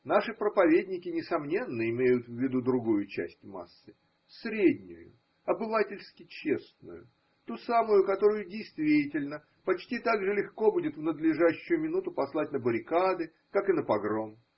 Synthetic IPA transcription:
naʂɨpɾəpɐvʲedʲnʲɪkʲɪnʲɪsɐmnʲe̞nːəɪmʲejʊt̪vʲːɪd̪ud̪ɾʊɡujʊt͡ɕæ̰sʲtʲma̰sːɨ | sɾʲedʲnʲʊ̰jʊ̰ | ɐbɨvatʲɪlʲskʲɪt͡ɕesnʊ̰jʊ̰ | t̪usamʊjʊkɐt̪o̞ɾʊjʊdʲɪjst̪vʲitʲɪlʲnə | pɐt͡ɕtʲit̪aɡʐɨlʲɪxko̞budʲɪt̪vnəd̪lʲɪʐaɕːʊjʊmʲɪnut̪ʊpɐslˠat̚ʲnəbəɾʲɪkad̪ɨ | kakɨnəpɐɡɾo̞m

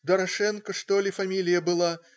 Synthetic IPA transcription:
d̪ɐɾaʂɛnkɐʂt̪ɔlʲifamʲilʲijɐbɨlˠa

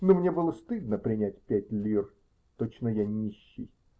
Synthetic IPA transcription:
nomnʲebɨlˠəst̪ɨd̪nəpɾʲɪnʲætʲpʲætʲlʲir | t̪ot͡ɕnəjanʲiɕːɪ̰j

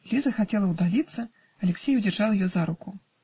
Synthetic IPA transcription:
lʲizɐxat͡sʲɛlˠɐwd̪alʲit̪sːɐ | ɐlʲɛksʲɛjud͡zʲɛrʐalˠjɔzaɾuku

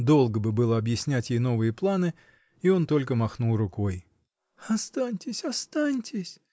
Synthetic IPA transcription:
d̪o̞lˠɡəbɨbɨlˠəɐbjɪsʲnʲætʲjejno̞vɨjəplˠanɨ | io̞nt̪o̞lʲkəmɐxnulˠrʊko̞j | ɐst̪anʲtʲɪsʲɐst̪anʲtʲɪsʲ

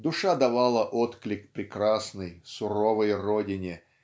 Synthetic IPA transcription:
d̪ʊʂad̪ɐvalˠəʔot̪klʲɪkpɾʲɪkɾasnɨjsʊɾovəjrodʲɪnʲɪ

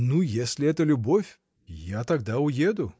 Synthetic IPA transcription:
nujesʲlʲɪɛt̪əlʲʊbofʲ | jat̪ɐɡ̚d̪aʊjed̪ʊ

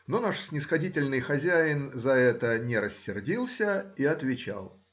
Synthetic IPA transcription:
nonaʂsʲnʲɪsxɐdʲitʲɪlʲnɨjxɐzʲæɪnzɐɛt̪ənʲɪɾəsʲːɪrdʲilˠsʲəiɐt̪vʲɪt͡ɕa̰lˠ

